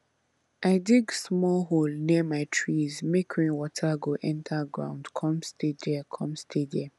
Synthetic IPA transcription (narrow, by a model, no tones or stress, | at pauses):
aɪdiɡsmɔlɦolniəmaɪtʰɹizmekʰĩwɔtʰaɡoʔɛ̃ntʰaɡɹã̰ʊ̃ndkʰɔ̃mstʰedɛkʰɔ̃mstʰedɛ